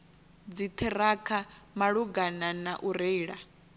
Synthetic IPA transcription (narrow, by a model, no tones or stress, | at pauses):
d͡zit̪ʰɛɾakʰamaɺuɡananaʔuɾeːɺa